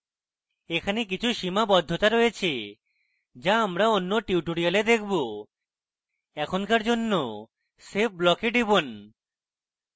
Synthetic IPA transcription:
ekʰanek̬it͡ɕʰuʃimabɔd̪ʱːot̪aɾojet͡ɕʰe | d͡ʑaamɾaonːoʈiuʈoɾialed̪ek̚ʰbo | ɛkʰonkaɾd͡ʑonːo | sep̚blɔkeɖibon

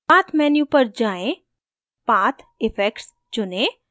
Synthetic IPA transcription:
aːt̪ʰmɛːnjũpəɾd͡ʒaːẽ | paːt̪ʰɪfʰɛːkʈs | t͡ʃʊnẽː

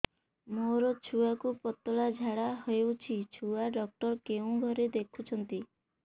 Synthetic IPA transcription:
moɾɔt͡ʃʰuakupɔt̪ɔɭad͡ʒʱaɽaɦɔewt͡ʃʰit͡ʃʰuaɖɔk̚ʈɔɾkeũɡʱɔɾed̪ekʰut͡ʃʰɔnt̪i

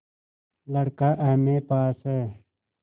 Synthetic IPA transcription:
lɐɽkaʔɐmepaːse

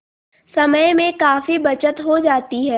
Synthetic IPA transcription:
sɐməjmẽkaːfibɐt͡ʃət̪ɦod͡ʒaːt̪iɦɛː

